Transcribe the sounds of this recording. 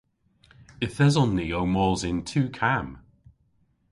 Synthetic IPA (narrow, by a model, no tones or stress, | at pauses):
ɪθɛzɔnːiːowmɔːzɪ̃ntʰʉːkʰam